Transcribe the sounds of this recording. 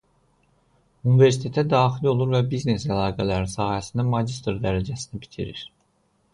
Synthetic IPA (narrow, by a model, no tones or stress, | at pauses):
unive̞ɾs̬i̥t̪ʰe̞t̪ʰæd̪ɑːxilo̞lˠuɾvæbizne̞sælɑːɡælæɾinsɑːhæsind̪æmɑd͡ʒist̪ɾd̪æɾæd͡ʒæsinæbi̥t̪ʰḭɾḭɾ